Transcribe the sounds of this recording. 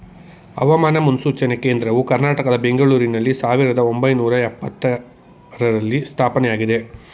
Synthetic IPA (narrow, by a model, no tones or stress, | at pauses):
ɐ̰ʋɐmaːnɐmunusuːt͡ʃɐneke̞ːnd̪ɾɐʋukɐɾnaːʈɐkɐd̪ɐbe̞ŋɡɐɭuːɾinɐlːisaːʋiɾɐd̪ɐo̞mbɐjnuːɾɐɛpːɐt̪ːɐ | ɾɐɾɐlːist̪ʰaːpɐnɛjaːɡid̪e̞